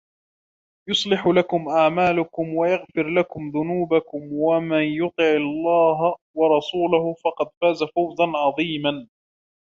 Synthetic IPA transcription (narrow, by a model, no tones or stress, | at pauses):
jʊsˤlɪħlakʊmʔaʕmaːlʊkʊmwajaɣfɪɾlakʊmðʊnuːbakʊmwamanjʊt̪ˤɨʕɑlˤːɑːɦawɑɾˤɑsuːlahʊfɑqɑd̪faːzafawzanʕɑðˤiːman